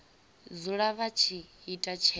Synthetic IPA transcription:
d͡zuɺaβat͡ʃʰiitʼat͡ʃʰɛ

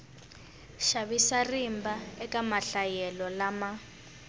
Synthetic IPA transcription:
ʃaβisarimbaɛkamaɬajɛlɔlama

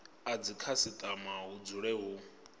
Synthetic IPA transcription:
ad͡zikʰasit̪ʼamaɦud͡zuɺɛɦu

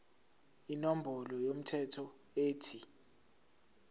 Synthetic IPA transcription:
inom̩bʱɔlɔjom̩tʰɛtʰɔ | eːtʰi

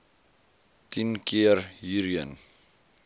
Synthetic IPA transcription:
tinkʰiərɦiːɾiə̰n

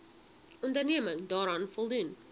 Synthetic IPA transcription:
ɔndərniəməŋdɑːɾɑnfɔlˠdun

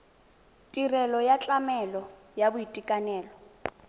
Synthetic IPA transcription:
tʼirɛlɔjat͡ɬʼamɛlɔ | jabʊitʼikʼanɛːlɔ

